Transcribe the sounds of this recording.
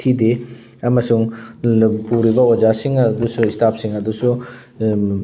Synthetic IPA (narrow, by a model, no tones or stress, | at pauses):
tʰide | ɐmɐsuŋ | puɾibɐwad͡ʒasiŋɐd̪usuistʰap̚siŋɐdusu